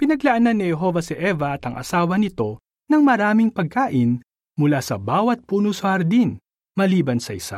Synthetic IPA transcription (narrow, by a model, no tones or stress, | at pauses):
pɪnɐɡlɐʔɐnanːɪhɛɦo̞vɐsɪʔɛvɐɐt̪ɐŋʔɐ̰saːwɐnɪt̪o̞ | nɐŋmɐɾaːmɪŋpɐɡ̚kaːʔɪn | mʊlasɐbaːwɐt̪̚puːnʊsʊɐɾd̪in | mɐliːbɐnsɐʔɪsa̰